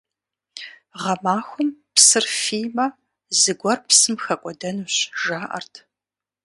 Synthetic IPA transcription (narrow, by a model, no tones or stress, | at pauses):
ʁɐmaːxʷʊmpsɨrfiːmɐ | zɨɡʷɔrpsɨmxɐkʷʼɔdɐnuːɕʒaːʔɐ̰rtʰ